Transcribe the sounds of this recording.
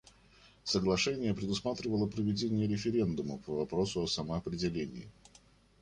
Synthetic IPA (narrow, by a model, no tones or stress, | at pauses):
səɡlˠɐʂɛnʲɪjəpɾʲɪd̪ʊsmat̪ɾʲɪvəlˠəpɾəvʲɪdʲenʲɪjəɾʲɪfʲɪɾʲe̞nd̪ʊməpəvɐpɾo̞sʊɐsəməɐpɾʲɪdʲɪlʲenʲɪ̰ː